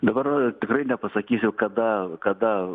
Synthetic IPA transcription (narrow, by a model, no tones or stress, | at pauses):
d̪ɐbɐrt̪ʲɪkrɐɪnʲɛpɐsɐkʲiːsʲʊkɐd̪ɐkɐd̪ɐ